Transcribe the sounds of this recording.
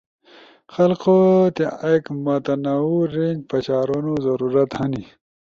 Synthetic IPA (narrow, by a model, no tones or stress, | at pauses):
xɐlqot̪iekmat̪ɐnauɾiŋɡpɐt͡ɕaːɾonozɐɾuɾɐt̪hɐni